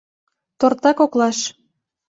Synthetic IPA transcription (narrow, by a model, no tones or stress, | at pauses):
t̪ort̪ɑkoklɑʃ